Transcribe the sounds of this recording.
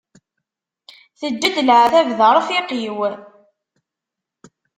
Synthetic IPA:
θəd̪ːæd̪lʕθævðəɾˤfɪqiw

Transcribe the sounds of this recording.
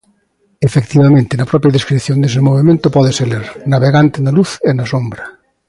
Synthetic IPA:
efekt̪iβamẽnt̪enapɾɔpjaðeskɾiθjond̪es̬emoβ̞emẽnt̪opɔðeseleɾnaβeɣant̪enaluθenasombɾa

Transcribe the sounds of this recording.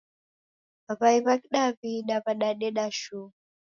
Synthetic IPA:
aβaiβakiɗaβiɗaβaɗaɗɛɗaʃu

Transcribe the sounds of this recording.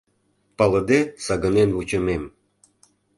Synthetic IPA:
pɑlɤ̆d̪esɑɣə̆nenβut͡ɕə̆mem

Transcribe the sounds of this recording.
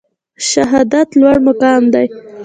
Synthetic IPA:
ʃaɦɑd̪at̪lwaɽmʊkɑmd̪aj

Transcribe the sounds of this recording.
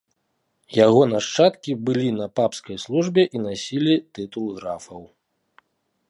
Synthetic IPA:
jaɣɔnaʂt͡ʂat̪kʲibɨlʲinɐpapskɐjslˠuʐbʲɛʔinasʲilʲit̪ɨt̪ulˠɣɾafɐw

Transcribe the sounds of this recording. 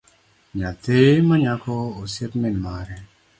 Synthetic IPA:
ɲat̪emaɲakɔosepmɪnmaɾɛ

